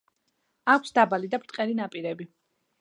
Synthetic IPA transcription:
akʷʰsd̪abalid̪apɾt̪ʼqʼɛlinapʼiɾɛbi

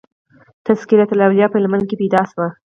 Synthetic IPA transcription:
t̪askilat̪alawljɑpəɪlman̚kepejd̪ɑʃwa

